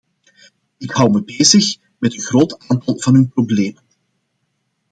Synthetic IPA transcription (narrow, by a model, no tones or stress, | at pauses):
ɪkhʌwməbeːzəx | mɛtənɣroːtaːntɑlˠvɑnynprobleːmən